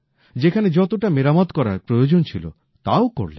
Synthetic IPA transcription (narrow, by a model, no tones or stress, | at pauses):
d͡ʒekʰaned͡ʒɔt̪oʈamiɾamɔd̪kɔɾapɾojod͡ʒont͡ʃʰilo̰ | t̪awko̰ɾlḛ